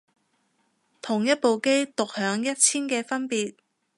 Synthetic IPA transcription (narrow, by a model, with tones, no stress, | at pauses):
t̪ʰʊ˨˩ŋjɐ˥t̚po˨wke˥jt̪ʊ˨k̚hœː˨˥ŋjɐ˥t̚t͡sʰiː˥nkɛː˧fɐ˥npiː˨t̚